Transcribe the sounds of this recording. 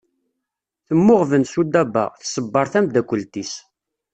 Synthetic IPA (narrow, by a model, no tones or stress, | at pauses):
θəmːʊʁvənsud̪æbːɑ̰ʁθsəbːɑɾˤθæmd̪ækʷːəlt̪is